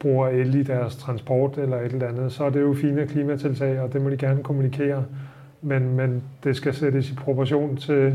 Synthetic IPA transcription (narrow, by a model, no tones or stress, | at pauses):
b̥ʁuːɐelid̥æɐst͡sʰʁɑ̈nsb̥ɒ̰ːd̥elɐe̝d̥e̝ð̩ˠænð̩ˠsɒ̽æɐde̝jo̝fiːnəkʰliːmæt͡sʰe̝lt͡sʰɛ̰ɪɒ̽d̥e̝mɒ̽d̥iɡ̥æɐnəkʰo̝munikʰe̝̰ːɐ | menmend̥e̝sɡ̥æseɾəsipʰʁo̝pʰɑɕo̝̰ːnt͡sʰe̝